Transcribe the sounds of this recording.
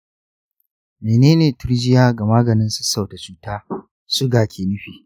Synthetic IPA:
meː˨neː˦neː˨tʊ˦ɾd͡ʒɪ˦jaː˦ɡa˨maː˦ɡɐ˨nɪ˦nsʊ̥˦sa˨ta˨t͡ʃuː˦taː˦ | sʊ˦ɡaː˨kʲʰeː˨nʊ˦ɸiː˨

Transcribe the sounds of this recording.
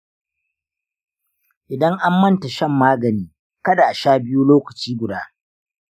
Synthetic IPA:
ʔɪ˨dɐ˦ŋʔa˦mːɐ˦nta˨ʃɐ˦mːaː˦ɡɐ˨niː˦ | kɐ˦da˨ʔa˨ʃaː˦bɪ˦ju˦loː˦kɐ˨t͡ʃiː˦ɡʷʊ˨daː˦

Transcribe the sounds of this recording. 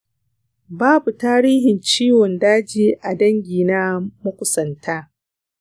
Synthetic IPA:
baː˦bu˨taː˦ɾiː˦ɦɪ˨nt͡ʃiː˦wɔ˨ndaː˦d͡ʒiː˦ʔa˨dɐ˦ŋɡʲiː˨naː˦mʊ˦kʷʊ˨sɐ˨ntaː˦

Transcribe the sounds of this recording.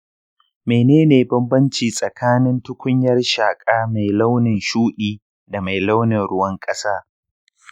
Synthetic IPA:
meː˨neː˦neː˨bɐ˦mbɐ˦nt͡ʃiː˨sʼɐ˨kʰaː˦nɪ˦ntʊ˦kʷʊ˦ɲjɐ˦rʃaː˨kʼaː˦ma˨jla˦wnɪ˨nʃuː˦ɗiː˨ | da˨ma˨jla˦wnɪ˨nɽʊ˦wɐ˦ŋkʼɐ˦saː˦

